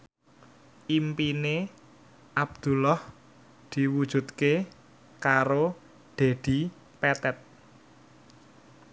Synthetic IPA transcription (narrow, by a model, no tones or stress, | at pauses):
ʔimpine | ʔab̚d̪̥ṳlɔh | d̪̥i̤wud̥ʒ̥ṳt̪ke | kaɾo | ɖ̪̥e̤d̪̥i̤ | pɛt̪ɛt̪̚